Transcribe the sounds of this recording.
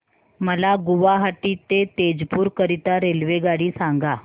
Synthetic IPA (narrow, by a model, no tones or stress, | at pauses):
məlaɡuʋaɦaʈiːt̪et̪ed͡zpuːɾkəɾit̪aɾelʋeɡaɽiːsãŋɡa